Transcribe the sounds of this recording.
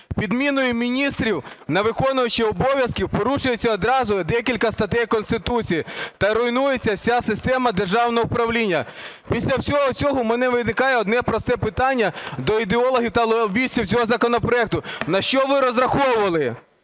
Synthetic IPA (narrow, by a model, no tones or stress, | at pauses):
pʲid̪mʲinɔjʊmʲinʲist̪ɾʲiwnɐʋɪkɔnʊjʊt͡ʃɪɔbɔʋʲjɐskʲiwpɔɾuʃʊjet͡sʲːɐɔd̪ɾɑzʊd̪ɛkʲilʲkɐst̪ɐt̪ɛjkɔnst̪ɪt̪ut͡sʲijit̪ɐɾɔjnujet͡sʲːɐwsʲasɪst̪ɛmɐd̪erʒɑwnɔɦɔʊpɾɐwlʲinʲːɐpʲisʲlʲɐwsʲɔɦɔt͡sʲɔɦɔmenɛʋɪnɪkɑjɛɔd̪nɛpɾɔst̪ɛpɪt̪ɑnʲːɐd̪ɔid̪eɔlˠɔɦʲiwt̪ɐlˠɔlˠʋʲiʃʲtʲiwt͡sʲɔɦɔzɐkɔnɔpɾɔɛk̚t̪ʊnɐʃt͡ʃɔʋɪɾɔzɾɐxɔwʊʋɐlˠɪ